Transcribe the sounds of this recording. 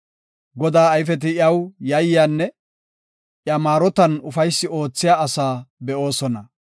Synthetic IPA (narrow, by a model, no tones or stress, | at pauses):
ɡɔd̪aːɐjfɛt̪̬ɪjɐwjɐjjaːnːɛ | ʔjɐmaːɾɔt̪ɐnʊfɐjsːɪo̞ːt͡sːɪjaːɐsaːbɛʔo̞ːsɔnɐ